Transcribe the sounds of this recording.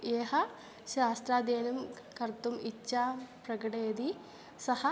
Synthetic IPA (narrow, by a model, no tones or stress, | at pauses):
eːɦɐ̆ | ɕaːst̪ɾaːd̪eːnɐm | kɐɾt̪umitːɕaːpɾɐkɐʈeːd̪i | sɐhɐ